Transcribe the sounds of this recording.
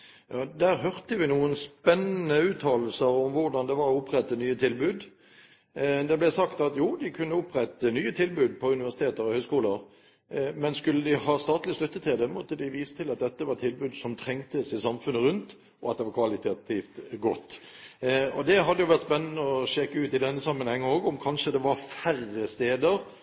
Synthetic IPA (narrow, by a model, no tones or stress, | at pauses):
jɑːd̪æːʁɦœʁt̪əʋɪnuːənspɛnːənəʉːt̪ʰɑːll̩səɾɔmʋʊʁɖ̪ɑnd̪ɛʋɑɾɔʊpːʁɛt̪ːənyːət̪ʰɪlbʉːd̪ | d̪ɛblɛsɑkt̪ɑt̪juːd̪ɪkʰʉnːəʊpʁɛt̪ːənyːət̪ʰɪlbʉːd̪̚pʰɔʉnɪʋæʁsɪ̥t̪eːt̪əɾɔhœʏskuːləɾ | mɛnskʉlːəd̪ɪhɑst̪ɑːt̪lɪslʉt̪ːət̪ʰɪld̪ɛmɔt̪ːəd̪ɪʋiːsə̥t̪ʰɪlɑt̪̚d̪ɛt̪ːəʋɑɾt̪ʰɪlbʉːd̪sɔmt̪ʰɾɛŋt̪əsɪsɑmfʉnːəɾʉnt̪ | ɔɑt̪̚d̪ɛʋɑɾkʰʋɑlɪt̪ʰɑt̪ʰift̪ɡɔt̪ː | ɔd̪ɛɦɑd̪ːəjʊʋæɾt̪spɛnːənəɔɕɛkəʉːt̪ɪd̪ɛnːəsɑmːənhɛŋːəoːɡɔmkʰɑnʃʂəd̪ɛʋɑɾfærəst̪eːd̪əɾ